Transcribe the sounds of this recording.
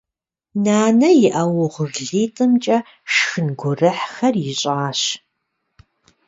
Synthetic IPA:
naːnɐjɪʔɐwʊʁəɣɮiːtʼɨmt͡ʃʼɐ | ʃxɨnɡʷʊrɨħxɐrjɪɕʼaːɕ

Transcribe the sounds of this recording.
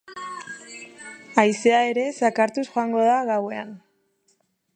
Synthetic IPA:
ajseae̞ɾe̞sakaɾt̪usxoaŋɡo̞ðaɣawe̞an

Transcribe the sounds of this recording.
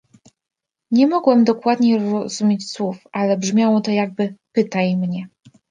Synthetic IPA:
ɲɛmɔɡwɛmd̪ɔkwad̪ɲeɾɾɔz̥umʲet͡ɕswufalɛbʐmʲjawɔt̪ɔjaɡ̚bɘpɘt̪ajmɲɛ

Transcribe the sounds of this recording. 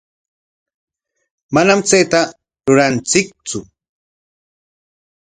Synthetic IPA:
manamt͡sejt̪a | ɾʊɾant͡sɪk̚t͡sʊ

